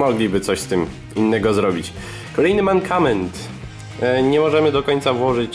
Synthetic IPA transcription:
mɔɡlʲibɘt̪sɔɕst̪ɘm | inːɛɡɔzɾɔbʲit͡ɕ | kɔlɛjnɘmaŋkʰamɛnt̪ | ɲɛmɔʐɛmɘd̪ɔkɔɲt̪savwɔʐɘt͡ɕ

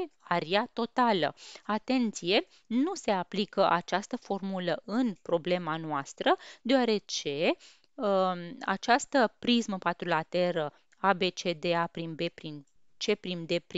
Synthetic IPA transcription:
aɾiat̪o̞t̪alə̰at̪e̞nt̪sije̞ | nuse̞aplikəʔat͡ʃast̪əfo̞rmuləʔɨnpɾo̞ble̞manoast̪ɾəd̪e̞oaɾe̞t͡ʃe̞ | a̰t͡ʃast̪əpɾizməpat̪ɾulat̪eɾə | abe̞t͡ʃe̞d̪e̞apɾinbe̞pɾin | t͡ʃe̞pɾimd̪e̞pɾ

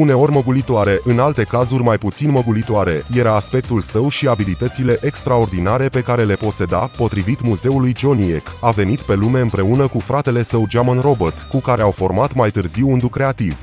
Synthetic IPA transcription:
une̞o̞rʲməɡulit̪oaɾe̞ʔɨnalt̪e̞kazurʲmajput̪sinməɡulit̪oaɾe̞je̞ɾaːspe̞k̚t̪ulsəwʃiabilit̪ət̪sile̞ʔekst̪ɾao̞rd̪inaɾe̞pe̞kaɾe̞le̞po̞t̪se̞d̪apo̞t̪ɾivit̪muze̞ulujd͡ʒo̞nie̞kave̞nit̪pe̞lume̞ɨmpɾe̞unəkufɾat̪e̞le̞səwd͡ʒamanro̞bot̪kukaɾe̞awfo̞rmat̪majt̪ɨrziwund̪ukɾe̞at̪iv̥

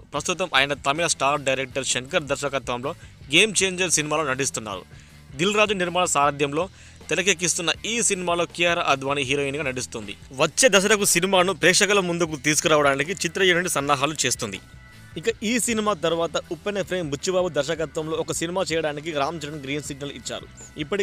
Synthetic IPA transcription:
pɾɐst̪ut̪ɐmʔa̰ːjɐnɐt̪ɐmilɐsʈaːɾɖɐjɾek̚ʈɐɾʃeŋkɐɾd̪ɐɾʃɐkɐt̪ʋɐmlo̞ːɡeːmt͡ʃe̞ːɲd͡ʒɐɾsinimaːlo̞ːnɐɖist̪unːa̰ːɾṵ | d̪ilɾaːd͡ʒuniɾmaːɳɐsaːɾɐd̪ʱjɐmlo̞ː | t̪ɛlɐk̬ek̬ːist̪unːɐiːsinimaːlo̞ːkijaːɾɐʔɐd̪ʱʋaːniɦiːɾoːiːnɡaːnɐɖist̪und̪ḭʋɐt͡ʃːe̞ːd̪ɐsɐɾɐkusinimaːnupɾɛːʂɐkɐlɐmund̪uk̬ut̪iːs̬ukuɾaːʋɐɽaːnik̬it͡ʃit̪ɾɐjɐnuɳɖisɐnːaːɦaːlut͡ʃe̞ːst̪und̪ḭ | ikɐʔiːsinimaːt̪ɐɾʋaːt̪ɐupːenepʰɾeːmbʱut͡ʃːibaːbud̪ɐɾʃɐkɐt̪ʋɐmlo̞ːɔkɐsinimaːt͡ʃɛːjɐɽaːnikiɾaːmd͡ʒɐɾɐnɡɾiːnsiɡ̚nɐlit͡ʃːa̰ːɾṵ | ipːɐʈi

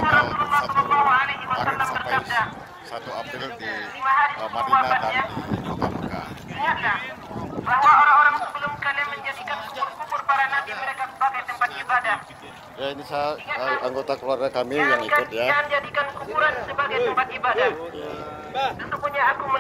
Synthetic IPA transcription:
uɾalusauuawaaliimat̪ənt̪aŋbərap̚da | sat̪uaillimaɦaɾisəbəuwabanɲa | a̰iŋat̪lah | baɦwaoɾaŋoɾaŋsəbəlʊmkanjaŋməɲd͡ʒadikankupʊrkupʊrpaɾanant̪iməɾekaku̥pakajt̪əmpat̪ibadah | jainisaiŋaaaŋɡot̪akəluarɡakamiaŋkaɲand͡ʒadikankupuɾansəbaɡajt̪əmpat̪̚ibadahj̰ | səsəmbuɲaːkumə

